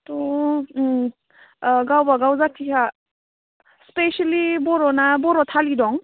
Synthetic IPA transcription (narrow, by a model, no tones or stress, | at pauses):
tɔ | ɡawbaɡawzakʰːikʰa | spesalibɔɾɔnabɔɾɔtʰalidɔŋ